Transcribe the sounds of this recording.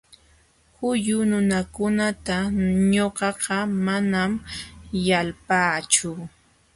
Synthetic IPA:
hʊjʊnʊnakʊnat̪aɲoqɑqɑmanamjalpaːt͡ʃʊ

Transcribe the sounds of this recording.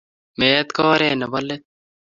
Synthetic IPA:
meːɐt̪kɔːɾeːnɐbɐlːet̪̚

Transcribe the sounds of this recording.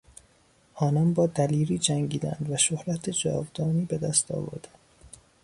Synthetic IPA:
ʔɒːnɒnbɒːd̪æliːɾiːd͡ʒæŋɟiːd̪æ̰nd̪væʃohɾæt̪ʰed͡ʒɒ̰ːvd̪ɒːniːbe̞d̪æst̪ɒ̰ːvo̰ɾd̪̥ænd̪̥

